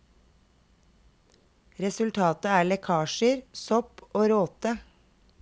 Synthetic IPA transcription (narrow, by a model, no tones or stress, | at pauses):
ɾɛsʉlt̪ʰɑːt̪əæːɭɛkʰɑːʃəɾsɔpoːɾoːt̪ə